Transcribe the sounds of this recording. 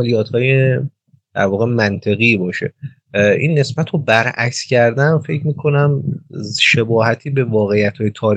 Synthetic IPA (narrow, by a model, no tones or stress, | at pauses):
lijɒːt̪ʰhɒːje | d̪̥æɾvɒːɣe̞mænt̪ʰe̞ɣiːbɒːʃe̞̰ | ʔḭnːe̞sbæt̪ʰobæɾæ̰cscʰæɾd̪æmfe̞cʰmiːkʰo̞næm | ʃe̞bɒːhæt̪ʰiːbe̞vɒːɣe̞jæt̪hɒːjet̪ʰɒːɾ